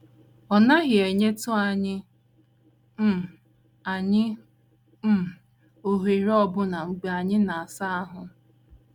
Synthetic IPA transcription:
ɔ˨na˦ɣɪ˨e˨ɲe˦tʊ˦a˨ɲɪ˦ | m̩˦˨ | a˨ɲɪ˦ | o˨ɦi˨ɾɔ˦bʊ˦na˨ŋ͡m̩˨ɡ͡be˨a˨ɲɪ˦na˨a˨sa˦a˦ɦʊ˨

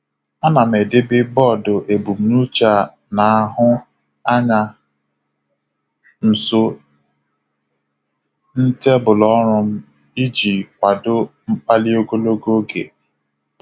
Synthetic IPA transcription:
a˦na˨m̩e˨dɪ˦bɪ˦bɔ˦˨dʊ˨ʔe˨bu˨m̩˨˦nu˦t͡ʃa˨ | na˨a˦ɦʊ˦ | a˦ɲa˨ | n̩˨so˦ | n̩˦te˦bʊ˨lɔ˦ɾʊ˦m̩˦ | i˦d͡ʒi˨kʷa˨dʊ˦m̩˦k͡pa˦lɪ˦o˦ɡo˦lo˦ɡo˦ɡḛ˨

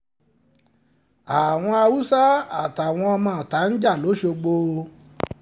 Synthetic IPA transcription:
a˨w̃ɔ̃˧a˧wu˦sa˦a˨ta˨w̃ɔ̃˧ɔ˧mãː˦˨ta˨˦n̩˦d͡ʒa˦˨lo˨˦ʃo˧ɡ͡bo˧

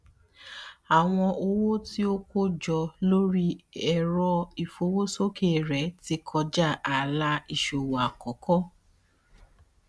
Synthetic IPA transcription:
a˨w̃ɔ̃˧ʔo˧wo˦ti˦o˦ko˦d͡ʒɔ˧lo˦ɾi˦ɛ˨ɾɔ˧i˨fo˧˦wo˦so˦ke˦˨ɾɛ˨˦ti˧kʰɔ˧d͡ʒa˦˨a˨la˧i˨ʃo˨wa˨kɔ˨kɔ˦

